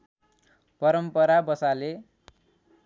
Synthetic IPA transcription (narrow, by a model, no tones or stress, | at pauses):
pʌɾʌmpʌɾabʌsale